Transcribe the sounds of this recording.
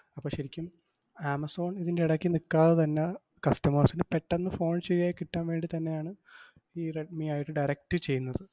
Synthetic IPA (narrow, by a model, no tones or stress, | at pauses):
ɐpːoɕɐɾikʲːum | aːmɐso̞ːɳiðindeiɽɐkːinikːaːðɐt̪ɐnːe | kɐst̪ɐmaːsinɨpeʈːenːɨfo̞ːɳɕeɾijaːjikːiʈːaːnʋe̞ːɳɖit̪ɐnːe̞jaːɳɨ | iːreʈ̚miaːjiʈːɨɖɐjɾɐk̚ʈɨt͡ɕe̞jːunːɐðɨ